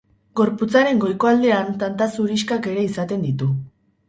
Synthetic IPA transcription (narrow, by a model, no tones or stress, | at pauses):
ɡo̞ɾput͡saɾe̞ŋɡo̞jko̞ald̪e̞ant̪ant̪asuɾiskake̞ɾe̞isat̪e̞nd̪it̪u